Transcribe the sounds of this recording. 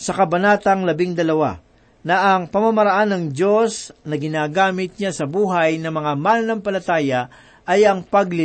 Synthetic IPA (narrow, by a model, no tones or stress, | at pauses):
sɐkɐbɐnaːt̪ɐŋlɐbɪŋd̪ɐlɐwa̰ | nɐʔɐŋpɐmamɐɾɐʔanːɐŋd͡ʒo̞snɐɡɪnaːɡaːmɪt̪̚ɲasɐbuːɦɐjnɐmɐŋamalnɐŋpɐlɐt̪aːjɐ | ɐjɐŋpɐɡlɪ